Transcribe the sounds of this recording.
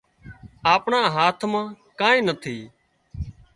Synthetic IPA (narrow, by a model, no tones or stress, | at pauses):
aːpɳaːɦaːt̪ʰmãː | kãːĩːnət̪ʰiː